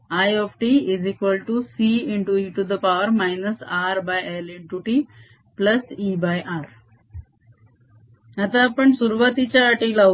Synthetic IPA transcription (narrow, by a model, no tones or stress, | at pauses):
ajɔfʈiizikʋəlʈusiiɳʈuiʈud̪əpawəɾmajnəsaɾbajeliɳʈuʈi | plɐsibajʔaɾ | at̪aːpəɳsuɾuʋat̪it͡ɕaːʈilɐ